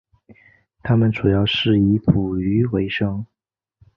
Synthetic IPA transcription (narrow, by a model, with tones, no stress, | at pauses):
t̪ʰa˥mə˨nʈ͡ʂu˨˩jɑ˥˧ʊʂɻ̩˥˩i˧˥pʰu˨˩y˧˥we˧˥ɪʂɤ˥ŋ